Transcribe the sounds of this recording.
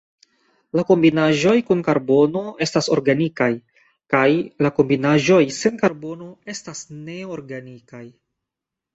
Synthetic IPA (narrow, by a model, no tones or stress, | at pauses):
lako̞mbinaʒo̞jkunkaɾbo̞no̞e̞staso̞ɾɡanikaj | kajlako̞mbinaʒo̞jse̞nkaɾbo̞no̞e̞stasne̞oɾɡanikaj